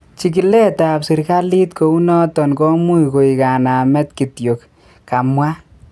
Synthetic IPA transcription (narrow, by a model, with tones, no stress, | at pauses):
t͡ʃi˨k̬i˨lɛ˦ta˨psi˨ɾka˦li˦tko˨˦u˦nɔ˦tɔ˨nkɔ˦mu˦jko˨i˨ka˨na˨mɛ˦tki˨tjo˨k | ka˨mwa˦